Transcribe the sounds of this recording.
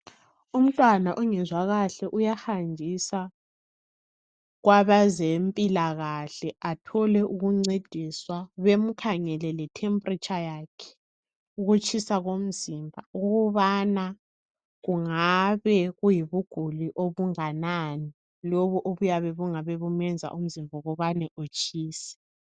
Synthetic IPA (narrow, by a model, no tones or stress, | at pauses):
um̩tʼwanaʔɔŋɛzwaɣaɬɛʔujaxand͡ʒʱisa | ɣwaβazempʼilaɣaɬɛatʰɔlɛʔuɣuŋ͡ǀed̥ʱiswaβem̩kʰaŋɛlɛlɛtʰɛmpʼrit͡ʃʼajaːkʰɛ̥ | uɣut͡ʃʼisaɣom̩zimbʱauɣuβana | ɣuŋaβɛɣujiβuɡ̥ʱuliʔoβuŋanani | loβuʔoβujaβɛβuŋaβɛβumɛnd͡zʱa̰ʔum̩zimbʱɔɣɔβanɛʔut͡ʃʰʼiːsɛ̥